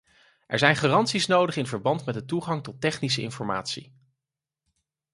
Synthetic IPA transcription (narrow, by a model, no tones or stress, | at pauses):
ʔɛ̰ɹzɛjnχaːrɑntsisnowdəχɪnvəɹbɑntmɛd̚dətuχɑŋtɔtɛχnisəɪ̰nfɔɹma̰ːtsḭ